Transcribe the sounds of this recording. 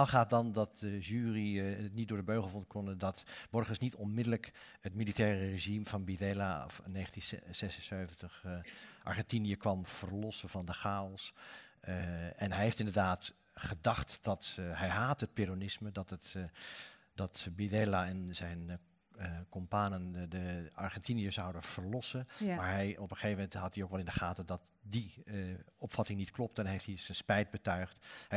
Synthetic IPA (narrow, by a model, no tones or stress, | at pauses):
aχaːdɑndɑt̚dəʒyːriəətnit̚dʊːɹdəbøɥχəl̩ˠfɔntkʰɔnədɑtb̥ɔɹχəsnitɔnmɪdələk | ətmilitɛːrəreʒimvɑnbidɛla̰nːeːχəntinsɛsənsøɥvəntəχʔɑ̰ɹχɛntinijəkʋɑmv̥əɹlɔsəvɑndəχaːɔlˠs | ɛnɦɛjɦejftɪndəɹdaːt | χədɑχtd̥ɑtɦɛjɦaːtɦət̚peɾonɪsmədɑtt | dɑtbidɛlaɛnzɛjn | kɔmpaːnəndəɑɹχɛntinijəzɑwdənv̥əɹlɔsənmaːɹɦɛjɔpəχeːvəmɛntɦɑtiowkʋɛlˠɪndəχaːtədɑt | di | ɔpfɑtɪŋnitklɔp̚tɛnɦejfthiz̥ənspɛjd̚bətœɥχthɛ